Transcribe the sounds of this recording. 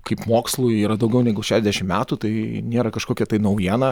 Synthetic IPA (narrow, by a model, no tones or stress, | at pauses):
kʰɐɪpmoːkslˠuːiːɾɐd̪ɐʊɡʲɛʊnʲɛːɡʊʃʲæːʃʲɛzd̪ʲɛʃʲɪmmʲæːt̪uːt̪ɐɪnʲeːɾɐkɐʃkoːkʲɛt̪ɐɪnɐʊjiɛnɐ